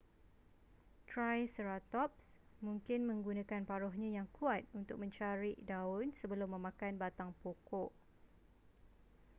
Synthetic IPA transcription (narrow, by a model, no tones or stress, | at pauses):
t̪ɾajsəɾat̪ɔp̚smũŋkɪnmə̃ŋɡunãkanpaɾɔɦɲãjaŋkʰuat̪̚unt̪ʊ̰k̚mə̃ɲt͡ʃaɾidaʊnsəbəlʊmːə̃mãkanbat̪aŋpokɔʔ